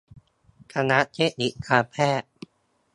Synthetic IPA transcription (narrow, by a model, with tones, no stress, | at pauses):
kʰa˧na˦˥ʔt͡ɕʰe˦˥ni˨˩kʰaː˧pʰɛː˥˩ʔ̚